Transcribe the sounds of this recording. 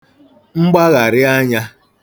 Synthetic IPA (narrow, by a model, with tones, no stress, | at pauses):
ŋ͡m̩˦ɡ͡ba˦ɣa˨ɾɪ˦a˦ɲa˦